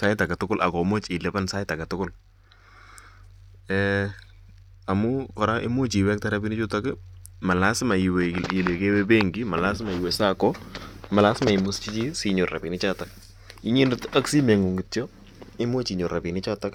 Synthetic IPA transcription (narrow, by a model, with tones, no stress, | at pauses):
sa˦ɪ˦ta˨katʊkʊ˦lʔa˨kɔmɔ˦t͡ʃɪ˨lɛ˦pa˦nsa˦ɪ˦ta˨ka˨tʊ˦kʊ˦l | ɛ | a˨mʊkɔ˨ɾa˦ʔɪ̰˦mo˦t͡ʃi˨wɛ˦k̚ta˦ɾa˦bi˦nɪ˦t͡ʃʊ˦takɪma˨la˦sɪ˦ma˨ɪwe˨le˨ke˦wɛbe˦ŋɡɪma˨la˦s̬ɪ˦ma˨ɪ˨wɛ˨sa˦kɔma˨la˦sɪ˦ma˨ɪmʊst͡ʃi˦t͡ʃi˦si˨ɲɔ˨rra̰˨pi˨nɪt͡ʃa˦tak | ɪ˦ɲɪ˦ndɪta˦ksi˦mɛ˨ŋu˨ŋɡɪ˨tjɔ | ɪ˦mo˦t͡ʃi˨ɲɔ˨rra˨pi˨nɪ˦t͡ʃata˦k